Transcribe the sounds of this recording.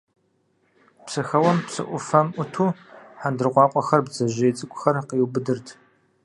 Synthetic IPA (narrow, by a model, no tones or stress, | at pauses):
psɨxɐwɐmpsɨ̰ʔʷʊfɐmʔʷʊtʰuːħandɨrqʷɑːqʷʼɔxɐrbzɐʒeːt͡sʼɨkʷʼʊxɐrqiːwbɨdɨrtʰ